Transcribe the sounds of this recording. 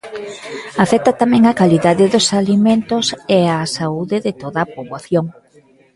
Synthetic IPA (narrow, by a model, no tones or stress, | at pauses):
afɛk̚t̪at̪amɛ̃ŋɐkaliðaðɪðosalimẽnt̪oseasauðɪðɪt̪oðɐːpoβwaθjoŋ